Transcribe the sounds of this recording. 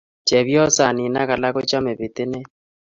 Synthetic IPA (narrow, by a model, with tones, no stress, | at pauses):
t͡ʃɛ˨βjɔ˦sa˨nɪ˨na˦ka˨la˦ko˦t͡ʃa˦me˨βɪ˨tɪ˦ne˦